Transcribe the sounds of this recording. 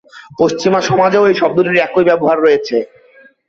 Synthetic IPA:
poʃt͡ɕimaʃɔmad͡ʑeoejʃɔb̚d̪uɾiɾɛkojbɛboɦaɾːojet͡ɕʰe

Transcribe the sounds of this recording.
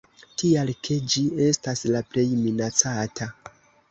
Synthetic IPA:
tialkʰe̞d͡ʒie̞staslaple̞jminat͡satʰa

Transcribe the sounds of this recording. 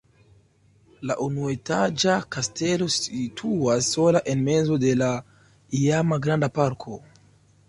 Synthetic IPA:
laʔunuetad͡ʒakaste̞lo̞sitʰuasːo̞laʔe̞nme̞zo̞de̞la | iamaɡɾandapaɾkʰo̞

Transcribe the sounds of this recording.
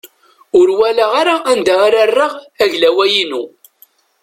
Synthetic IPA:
ʊɾwælaʁaɾaʔænd̪aaɾarːaʁæʝlæwæjinu

